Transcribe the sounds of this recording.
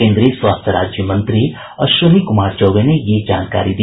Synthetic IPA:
eːnd̪ɾesʋaːst̪ʰɐɾaːd͡ʒjɐmɐnt̪ɾi | ɐʃʋɐnikumaːɾd͡ʒɐwɡɐnejeːd͡ʒaːnka̰ːɾid̪i

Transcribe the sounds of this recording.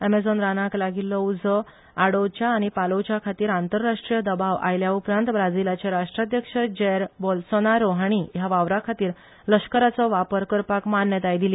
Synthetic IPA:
emed͡zonɾanaklaɡilːɔud͡zʱə | aɽowt͡ɕjaːɽ̃ipalowt͡ɕjakʰat̪iːɾant̪əɾːaʂʈɾijəd̪əbaʋa̰jljaupɾãnt̪ʋɾad͡zilat͡ɕeɾaʂʈɾad̪ʱjəkʂəd͡ʑɛɾbɔlsonaɾoɦaɽ̃ijaʋaʋɾakʰat̪iːɾ | ləɕkəɾat͡sɔʋapəɾkəɾpakmanjət̪ajd̪ili

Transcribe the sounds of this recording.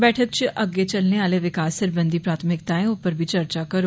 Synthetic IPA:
bɛːʈʰək̚t͡ʃʔəɡːet͡ʃɐlneaːleʋɪkaːsːəɾbə̃nd̪iːpɾaːt̪ʰəmɪk̚t̪aːɛ̃oːpəɾbʱit͡ʃəɾt͡ʃakəɾo

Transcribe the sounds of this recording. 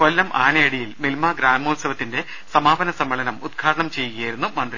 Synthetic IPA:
kolːɐmʔaːnɐjɐɽijilmilmaɡɾaːmoːsɐʋɐt̪ːinde̞ | sɐmaːbɐnɐsɐmːɐɭɐnɐmud̪ɡʰʱaːɽɐɳɐmt͡ɕe̞jːuiɣjɐjiɾunːumɐnd̪ri

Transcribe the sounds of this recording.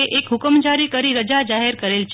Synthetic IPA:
eʔekɦʊkəmd͡ʒaɾikəɾiɾəd͡ʒad͡ʒaɦeɾkəɾelt͡ʃʰ

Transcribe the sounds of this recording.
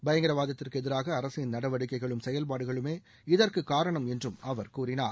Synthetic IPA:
bɐjɐŋɡɪɾɐʋaːðɐt̪ːɪrkɯɛðɪɾaːɣɐːɾɐsɪnnɐɽɐʋɐɽɯkːɐɪɣɐɭɯmsɛjɐlpaːɽɯɣɐɭɯmeː | ɪðɐrkɯkːaːɾɐɳɐmɛndrɯmɐʋɐɾkuːɾɪnaːɾ

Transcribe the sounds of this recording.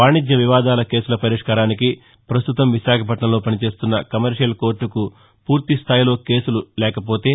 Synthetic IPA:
aːɳid͡ʒjɐʋiʋaːd̪aːlɐke̞ːsulɐpɐɾiʂkaːɾaːniki | pɾɐst̪ut̪ɐmʋiʃaːkʰɐp̬ɐʈɳɐmlo̞ːpɐnit͡ʃe̞ːst̪unːɐkɐmɐɾʂijɐlko̞ːɾʈːuku | puːɾt̪ist̪ʰaːjilo̞ːke̞ːsululɛːkɐpo̞ːt̪e̞ː

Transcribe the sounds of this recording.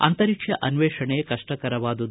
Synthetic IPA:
ɐ̰nt̪ɐɾikʂjɐʔɐnʋeːʂɐɳejkɐʂʈɐkɐɾɐʋaːd̪ɐd̪

